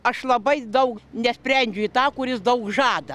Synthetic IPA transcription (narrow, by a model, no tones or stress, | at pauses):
ɐʃlˠɐbɐɪd̪ɐʊknʲɛsʲpʲɾʲɛnʲd͡ʒʲʊit̪ɑːkʊɾʲɪsd̪ɐʊkʒɑːd̪ɐ